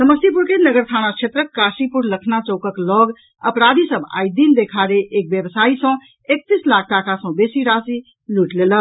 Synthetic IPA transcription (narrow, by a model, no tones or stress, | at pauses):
səməst̪ipuɾkenəɡəɾt̪ʰanakt͡ʃʰet̪ɾəkːasipuɾləkʰnat͡ʃəʊkəklɔɡ | ə̰pɾad̪ʱisəba̰jd̪ind̪ekʰaɾeʔek̚bjebsaisə̃ | ek̚t̪islak̚ʰʈakasə̃besiɾasi | luʈlelə